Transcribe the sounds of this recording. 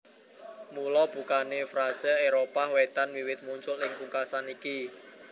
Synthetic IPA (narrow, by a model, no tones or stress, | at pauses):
mulɔb̥ṳkanefɾasəeɾopahwet̪anwiwɪt̪̚muɲt͡ʃʊlɪŋpuŋkasaniki